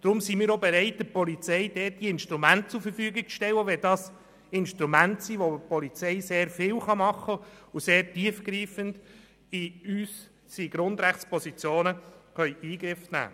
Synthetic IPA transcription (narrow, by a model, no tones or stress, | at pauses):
d̪̥ɾʊmsimiːɾobɛɾɛɪt̚d̥əpɔlit͡sɛɪd̥ɛːt̚d̥iɪnʃtɾumæntt͡suɾfəɾfyːəɡɪɡ̚t͡sʃtɛwːəʋɛldɑːs | ɪnʃtɾumæntsiːʋopɔlit͡sɛɪseːɾfɪːwχɑmɑχːəuseːɾtiəfɡɾiːfənd̥ | iys | siɡ̥ɾʊnd̪ɾæχt͡spɔsit͡sjoːnəχœʏiːɡɾɪfnæ̰ː